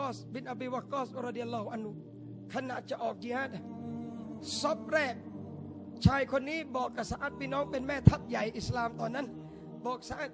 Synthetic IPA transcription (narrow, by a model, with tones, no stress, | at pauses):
ɔː˥˩sbi˧nʔa˧biː˧wa˧kːɔː˥˩sɾɔ˧di˧ʔa˧lːɔː˧hu˧ʔa˧nhu˧ | kʰa˧na˨t̪̚t͡ɕa˨˩ʔɔː˨˩k̚t͡ɕi˧haː˦˥˩t̪ | so˦˥p̚ɾɛː˥˩k̚ | t͡ɕʰaː˧jkʰo˧nːiː˦˥bɔː˨˩kːa˧˩sa˧ʔaː˨˩t̪̚pʰiː˥˩˨nɔː˦˥ŋpe˧nmɛː˥˩t̪ʰa˦˥t̪̚ja˨˩jʔi˨˩slaː˧mt̪ɔː˨˩nːa˦˥˨n | bɔː˨˩k̚sa˧ʔaː˨˩t̪̚